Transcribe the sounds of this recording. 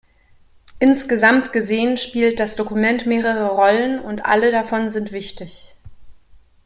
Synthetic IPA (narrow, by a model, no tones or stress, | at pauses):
ʔɪnsɡ̥əzamtɡ̥əzeːənʃpiːlt̚d̥asd̥okumɛntmeːʁəʁəʁɔlənʊntʔa̰lədafɔnzɪntv̥ɪçtɪç